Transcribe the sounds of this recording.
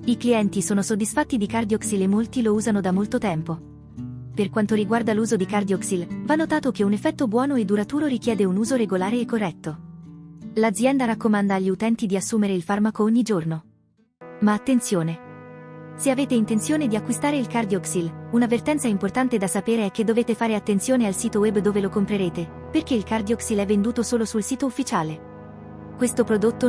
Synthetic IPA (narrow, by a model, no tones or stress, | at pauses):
ikliɛnt̪isoːnosod̪ːisfat̪ːid̪ikard̪iɔksilemːolt̪ilouːzanod̪amːolt̪ot̪ɛmpo | perkwant̪oɾiɡward̪aluːzod̪ikard̪iɔksilvanːot̪aːt̪okeunefːɛt̪ːobwɔːnoed̪ːuɾat̪uːɾoɾikjɛːd̪eunuːzoɾeɡolaːɾeːkːorːɛt̪ːo | lad̪zːjɛnd̪aɾakːomand̪aːʎːiut̪ɛnt̪id̪iasːuːmeɾeilfarmakooɲːid͡ʒorno | maːt̪ːent̪sjoːne | seaveːt̪eint̪ensjoːned̪iakːwist̪aːɾeilkard̪iɔksilunavert̪ɛnt̪saimport̪ant̪ed̪asapeːɾeɛk̟ːed̪ːoveːt̪efaːɾeat̪ːent̪sjoːnealsiːt̪owɛbːd̪oːvelokompɾeɾeːt̪e | perk̟eilkard̪iɔksilɛvːend̪uːt̪osoːlosulsiːt̪oufːit͡ʃaːle | kwest̪opɾod̪ot̪ːo